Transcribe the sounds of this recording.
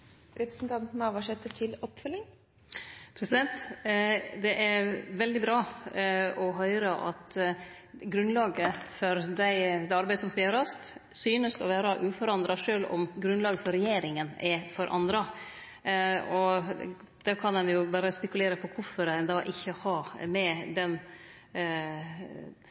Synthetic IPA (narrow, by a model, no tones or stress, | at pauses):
ɾɛpɾəsn̩t̪ʰɑnt̪nəɑʋɑʂɛt̪ːəʈʰɪlɔpfœlːɪŋ | pʰɾɛsɪd̪ɛnt̪ | d̪ɛʔæɾʋɛld̪ɪbɾɑː | ɔɦœʏɾɑʔɑ̰t̪ | ɡɾʉnlɑːɡəfɔɾd̪æɪd̪ɛɑɾbæɪəsɔmskɑjøːɾɑst̪syːnəst̪ɔʋæːɾɑʔʉːfɔɾɑnd̪ɾɑʂøːlɔ̰mɡɾʉnlɑːɡəfɔɾɛjeːɾɪŋənɛfɔɾʔɑ̰nd̪ɾɑ | ɔ | d̪̥ɛkʰɑnɛnjʊbɑːɾəspɛkʉleːɾəpʰɔkʰʊɾfɔɾænd̪ɑːʔɪçːəhɑmɛd̪ɛn